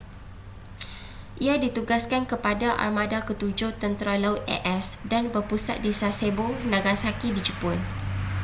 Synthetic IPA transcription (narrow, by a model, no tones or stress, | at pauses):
ʔiadit̪uɡaskankəpadaʔa̰rmãdakət̪ud͡ʒoht̪ənt̪ɾalaʊt̪̚ɛ̰ʔɛsdanbərpusa̰t̪̚disasebonãɡasakidid͡ʒəpʊn